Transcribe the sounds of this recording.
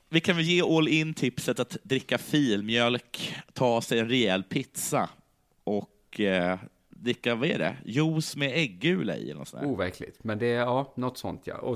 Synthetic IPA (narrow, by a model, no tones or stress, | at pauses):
vɪkʰanvɪjeːʔɔlɪnːt̪ʰɪpsət̪at̪d̪ɾɪkːafiːlmjœlkt̪ʰɑːsɛjɛnɾɛɛlːpʰɪt̪sa | ʔɔk | d̪ɾɪkːavaɛ̰ɖɛ̰juːsmɛɛɡːʉ̟ːla̰ɪ̰ɛ̰lɛnɔsɔnæ̰ːvæɾkʰlɪ̰t̪mɛnd̪ɛɑːnɔt̪ːsɔ̰nt̪ʰjɑ̰ʔɔ